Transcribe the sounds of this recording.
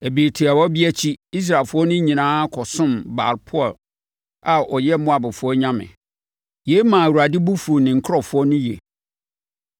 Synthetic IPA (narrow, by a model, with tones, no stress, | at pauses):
e˨biː˨tʰi˨a˨wɔ˦bɪ˦æ˦t͡ɕʰi˦i˦s̬ɾa˨lfʊ˦ɔ˦nʊ̃˦ɲĩ˨nãː˦kʰɔ˨sʊ̃˦mba̰ː˨ɾpʰʊ˦ɔ˨l | a˨ʔɔ˨jɛ˦mʊ̃˦a˨bʊ˨fʊ˨˦ɔ˦ɲã˦mɪ̰̃˨ | je˦i˦mã˨wu˨ɾa˨dɪ˦bu˦fu˨o˨nɪ̃˨ŋ̩˨kʰɾɔ˨fʊ˦ɔ˦nʊ̃˦jḛ˨